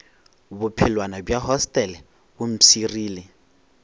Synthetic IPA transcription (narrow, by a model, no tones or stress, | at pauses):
bʊpʰɪlwanabjaɦɔstʼɛlɪ | bʊm̩siriːlɪ